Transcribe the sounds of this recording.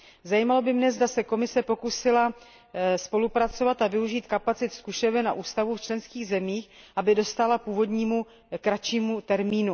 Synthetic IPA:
zajiːmalo̞bɪmnɛzdasɛko̞mɪsɛpo̞kusɪla | spo̞lupɾat͡so̞vat̪avɪuʒiːt̪kapat͡sɪt̪skuʃɛvɛna̰ʔuːst̪avuft͡ʃlɛnskiːɣzɛmiːxʔabɪdo̞st̪alapuːvo̞dɲiːmu | kɾat͡ʃiːmut̪ɛɾmiːnu

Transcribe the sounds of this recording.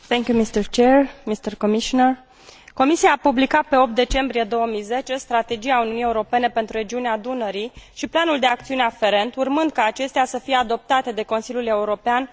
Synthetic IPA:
θɛŋkʲjumist̪ərt͡ʃeɾmist̪ərkomiʃonər | ko̞misiaːpublikat̪̚pe̞o̞p̚t̪̚d̪e̞t͡ʃe̞mbɾije̞d̪o̞wəmijze̞t͡ʃe̞st̪ɾat̪e̞d͡ʒiauniunijeuɾo̞pe̞ne̞pe̞nt̪ɾuɾe̞d͡ʒiunead̪unəɾiʃiplanuld̪e̞ak̚t̪siuneafe̞ɾe̞nt̪urmɨnd̪̚kaːt͡ʃe̞st̪easəfije̞ad̪o̞p̚t̪at̪e̞d̪e̞ko̞nsilʲjule̞uɾo̞pean

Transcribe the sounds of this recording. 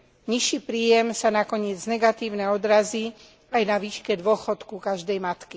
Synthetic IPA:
ɲiʃiːpɾiːjɛmsanakɔɲɪɛd͡znɛɡat̪iːʊnɛɔd̪ɾaziː | ajnaʋiːʃkɛd̪ʋʊɔxɔt̪kukaʒd̪ɛjmat̪ki

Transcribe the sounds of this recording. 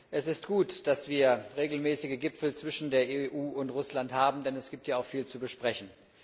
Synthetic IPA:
ʔɛsɪst̚ɡ̥uːtd̥asv̥iːɐʁeːɡl̩mɛːsɪɡəɡɪpfl̩t͡sv̥ɪʃn̩deːɐʔeːʔuːʊntʁʊslanthaːbm̩dɛnɛsɡ̥iːp̚tʰjaːaʊxfiːlt͡subəʃpʁ̥ɛçn̩

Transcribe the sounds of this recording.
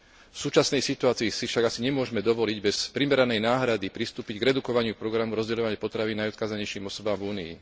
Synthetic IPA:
fsuːt͡ʃasnɛjsit̪uaːt͡siːsifʃaɡasiɲɛmʊɔʒmɛd̪ɔʋɔliɟbɛspɾimɛɾanɛjnaːɦɾad̪ipɾist̪uːpiɟɡɾɛd̪ukɔʋaɲɪupɾɔɡɾamuɾɔzɟɛʎɔʋaɲɪɛpɔt̪ɾaʋinːajɔt̪̚kaːzaɲɛjʃiːmɔsɔbaːmvuːnḭː

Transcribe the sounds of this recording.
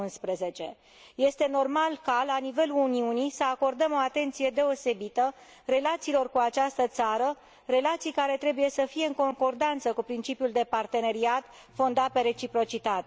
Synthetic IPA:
nspɾe̞ze̞t͡ʃe̞̰ | je̞st̪e̞no̞rmalkalanive̞luuniunisəako̞rd̪əmo̞at̪e̞nt̪sije̞d̪e̞o̞se̞bit̪ə | re̞lat̪siːlo̞rkuat͡ʃast̪ət̪saɾə | re̞lat̪sijkaɾe̞t̪ɾe̞buje̞səfije̞ɨŋko̞ŋko̞rd̪ant̪səkupɾint͡ʃipiuld̪e̞part̪e̞ne̞ɾiat̪ | fo̞nd̪at̪̚pe̞ɾe̞t͡ʃipɾo̞t͡ʃit̪at̪e

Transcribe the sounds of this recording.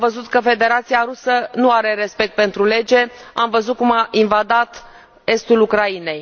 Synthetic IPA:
amvəzut̪kəfe̞d̪e̞ɾat̪siaɾusənuaɾe̞ɾe̞spe̞k̚t̪̚pe̞nt̪ɾule̞d͡ʒe̞amvəzut̪̚kumaʔinvad̪at̪ | e̞st̪ulukɾaine̞j

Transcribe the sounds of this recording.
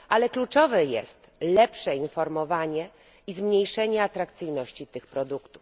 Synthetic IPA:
ʔalɛklut͡ʂɔvɛjɛ̰st̪lɛpʂɛinfɔɾmɔvaɲɛ | izmɲejʂɛɲɛat̪ɾakt̪sɘjnɔɕt͡ɕit̪ɘxpɾɔd̪ukt̪uf

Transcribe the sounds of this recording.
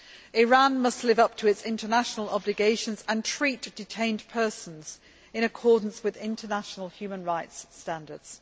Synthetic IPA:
ɪɹɑ̃nmʌstˡlɪvʌp̚tʰəɪtsɪ̃ntʰənaʃənəlˠɒblɪɡeɪʃə̃nzə̃ntʰɹ̥iˑʔd̥ɪtʰẽɪ̃npʰɜˑsə̃n̩z̥ | ɪ̃ɾ̃əkʰɔːdⁿn̩swɪðɪ̃ntʰənaʃənəl̩ˠhjʉːmə̃nɹaɪtstãndədz̥

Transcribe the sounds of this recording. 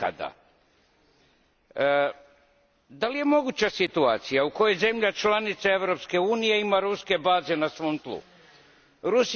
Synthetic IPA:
a̰d̪a̰ | d̪alije̞mo̞ɡut͡ɕasit̪uaːt̪sijauko̞jeze̞mʎat͡ʃlanit̪saeʋɾo̞pske̞uːnije̞imaɾuske̞baːze̞nasʋo̞ːmt̪lˠṵ | ɾus

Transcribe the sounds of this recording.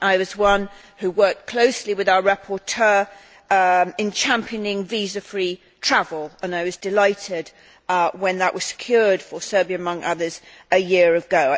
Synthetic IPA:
ʔaɪwʌzwʌ̃n | hʉwɜˑ˞k̚kʰl̥oʊsliwɨðaʊəɹæpʰətʰɜː | ɪ̃nt͡ʃʰæ̃mpʰiənɪ̃ŋvizəfɹi | tʰɹ̥avəlˠə̃naɪwʌzdɪlaɪtɪd | wə̃nðəʔwʌz̥sɪ̥kʰj̥ɔːɹd̥fəsɜ˞biəəmʌ̃ŋʔʌ̰ðə˞z̥ | ɨjɪəɹəvɡoʊ

